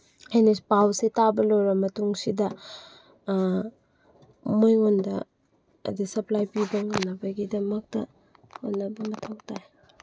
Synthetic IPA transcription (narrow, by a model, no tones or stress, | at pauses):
ajnespawsetabɐloɾɐmɐtuŋsidɐ | mojŋondɐ̰ː | disɐplajpibɐŋanːɐbɐɡidɐmɐk̚tɐ | honːɐbɐmɐtʰawtaj